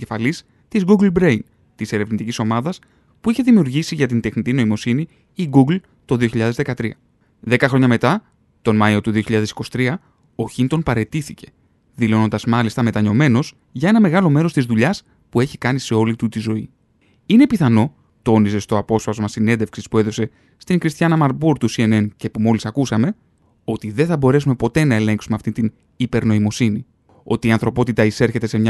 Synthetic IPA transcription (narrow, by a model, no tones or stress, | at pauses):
efɐlis | t̪izɡuɡlbɾejn | t̪ise̞ɾe̞vnit̪iciso̞mɐðɐs | puiçe̞ðimiuɾʝisiʝɐt̪int̪e̞xnit̪ino̞imo̞siniː | ɡuɡl | t̪o̞ðio̞çiʎɐðe̞zðe̞kɐt̪ɾiɐ | ðe̞kɐxɾo̞ɲɐme̞t̪ɐ | t̪o̞nmɐio̞t̪uðio̞çiʎɐðe̞si̥ko̞si̥t̪ɾiɐ | o̞çint̪o̞npɐɾe̞t̪iθice̞̥ | ðilo̞no̞nd̪ɐzmɐlist̪ɐme̞t̪ɐɲo̞me̞no̞z̥ | ʝɐe̞nɐme̞ɣɐlo̞me̞ɾo̞st̪izðuʎɐs | pue̞çi̥kɐnise̞o̞lit̪ut̪izo̞i | ine̞piθɐno̞ | t̪o̞nise̞st̪o̞ɐpo̞sfɐzomɐsine̞nd̪efksispue̞ðo̞se̞ | st̪iŋkɾist̪çɐnɐmɐɾbuɾt̪usie̞ne̞nce̞pumo̞lisɐkusɐme̞ | o̞t̪iðe̞nθɐbo̞ɾe̞sume̞po̞t̪e̞nɐe̞le̞ŋksume̞ɐft̪int̪in | ipe̞ɾno̞imo̞sini | o̞t̪iːɐnθɾo̞po̞t̪it̪ɐise̞ɾçe̞t̪e̞se̞mɲɐ